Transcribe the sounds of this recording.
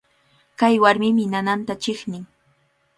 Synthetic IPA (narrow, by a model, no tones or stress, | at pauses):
kajwaɾmɪmɪnanant̪at͡ʃɪχnɪŋ